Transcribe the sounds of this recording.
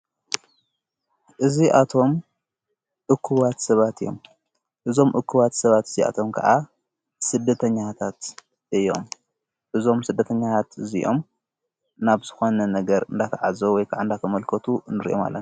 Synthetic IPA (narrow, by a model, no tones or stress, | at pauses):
ʔɨziʔat̪ʰo̞m | ʔɨkʰːuβat̪sɐβat̪ʰɨjo̞̰m | ʔɨzo̞mʔɨkʰːuβat̪sɐβat̪ɨzia̰t̪ʰo̞mkʰɐ̰ʔa | sɨd̪ːɐt̪ʰɐɲːat̪ʰat̪ | ʔɨjo̞m | ʔɨzo̞msɨd̪ːɐt̪ʰɐɲːat̪ʰat̪ɨziʔo̞̰m | naβz̥ɨxo̞nɐnɐɡɐɾɨnd̪akʰɐʕazowɔjkʰaʕaɨnd̪akʰɐmɐlkʰɐt̪ʰunɨɾʔoma̰lːɐ̰n